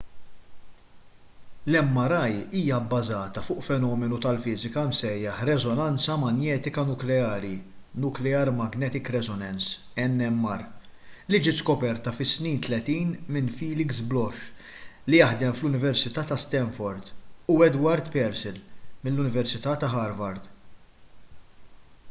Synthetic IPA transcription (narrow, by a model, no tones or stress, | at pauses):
lɛmːɐɾɐjiːjɐbːɐzɐːt̪ɐfʊːʔfɛnɔːmɛnut̪ɐlfɪːzɪkɐmsɛjːɐħɾɛzɔnɐnt͡sɐmɐnjɛːt̪ɪkɐnʊklɛɐːɾinʊklɛɐɾmɐɡnɛːt̪ɪkɾɛzɔnɛns | ɛnːɛmːɐɾlid͡ʒɪːt̪skɔpɛɾt̪ɐfɪsniːnt̪lɛt̪iːnmɪnfiːlɪɡsblɔʃ | lijɐħd̪ɛmflʊnɪvɛɾsɪt̪ɐːt̪ɐst̪ɛnfɔɾd̪ʊɛd̪wɐɾd̪pɛɾsɪlmɪlːʊnɪvɛɾsɪt̪ɐːt̪ɐɦɐɾvɐɾd̪